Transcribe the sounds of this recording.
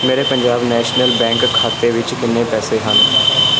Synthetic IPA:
meːɾeːpəɲd͡ʒaːbnɛːʃnəlbɛ̃ːŋkkʰːaːt̪eːʋɪt͡ʃkɪnːẽːpɛːseːɦən

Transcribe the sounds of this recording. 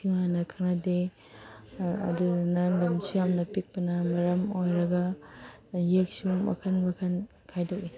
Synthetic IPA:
kʰiŋanɐkʰɐnɐde | ɐ̰dunɐlɐmsujamnɐpik̚pɐnɐmɐɾɐmojɾɐɡɐ | jek̚sumɐ̰kʰɐnmɐkʰɐn | kʰajdoki

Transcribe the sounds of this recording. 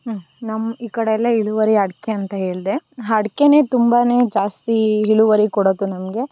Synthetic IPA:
nɐmːiːkɐɽeɐlːɐɦiɭuʋɐɾiɦɐɽkeɐnt̪ɐɦe̞ːɭd̪e̞ɦɐɽke̞ne̞ːt̪umbaneːd͡ʒaːst̪iɦiɭuʋɐɾikɔɽod̪unɐmɡe̞

